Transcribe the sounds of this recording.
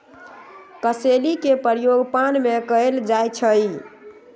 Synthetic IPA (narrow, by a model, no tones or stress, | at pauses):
kəselikepəɾjoɡpanmekəeld͡ʒajt͡ʃʰəj